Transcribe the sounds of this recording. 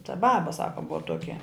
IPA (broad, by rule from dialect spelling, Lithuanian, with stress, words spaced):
tɐ ˈbɑːbɐ ˈsɑːkɐ ˈbʊɐ ˈtuɔkʲɛ